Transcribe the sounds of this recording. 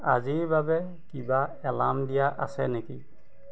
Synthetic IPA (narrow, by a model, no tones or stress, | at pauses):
a̰zibabɛ | kibaɛlamdijaʔa̰sɛneki